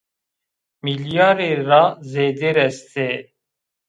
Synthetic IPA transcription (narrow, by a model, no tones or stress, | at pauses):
miljɑːɾeɾazeːd̪eɾɛst̪ʰe